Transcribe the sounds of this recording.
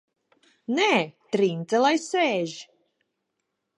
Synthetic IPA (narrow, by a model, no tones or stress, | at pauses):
nɛːt̪ɾint̪zɛlˠajsɛːʒ